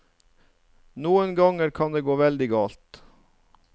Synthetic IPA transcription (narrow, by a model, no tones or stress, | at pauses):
nuːənɡɑŋəɾkʰɑnd̪eːɡoːʋɛld̪ɪɡɑːlt̪